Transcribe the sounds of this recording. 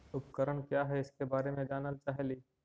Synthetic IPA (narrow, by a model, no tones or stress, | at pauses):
ʊpkəɾəɽ̃kjaːɦɛɪskebaːɾemẽd͡ʒaːnəlt͡ʃaːɦeliː